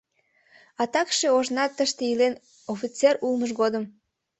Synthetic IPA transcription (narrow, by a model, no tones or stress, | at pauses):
ɑt̪ɑkʃeoʒnɑt̪ːəʃt̪eilen | ofit͡serulməʃ̬ɡod̪əm